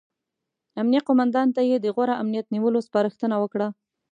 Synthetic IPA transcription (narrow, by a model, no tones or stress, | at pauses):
amnijaqomand̪ɑnt̪ajed̪əɣwaɾaʔamnijat̪niwəlospɑɾəxt̪ənawəkɽa